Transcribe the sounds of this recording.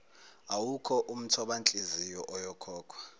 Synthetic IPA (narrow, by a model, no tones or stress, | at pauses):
awukʰɔʔum̩tʰɔɓant͡ɬʼizijɔʔɔjɔkʰɔːkʰwa